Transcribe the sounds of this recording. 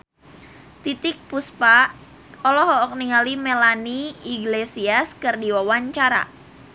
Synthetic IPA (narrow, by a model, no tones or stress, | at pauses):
t̪it̪ɪk̚puspa | ɔlɔɦɔʔɔk̚niŋalimɛlaniːɡlesiaskɨrdiwawaɲt͡ʃaɾa̰